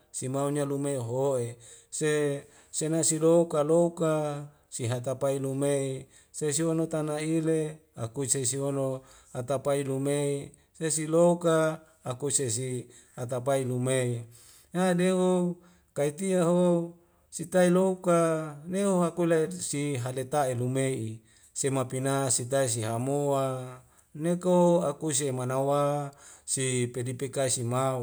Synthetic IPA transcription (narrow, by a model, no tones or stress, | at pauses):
simauɲalumeɦoese | senasiloukaloka | siɦat̪apailumei | sesiwonot̪anailea̰kusesiwono | hat̪apailumei | sesiloukaː | kusesi | hat̪̬apailumei | nadeo | kait̪iaɦo | sit̪ailoukaneoɦakuilasiɦalet̪aelumei | semapinasit̪ais̬iɦamoa | nekoakus̬emanawasipedipekasima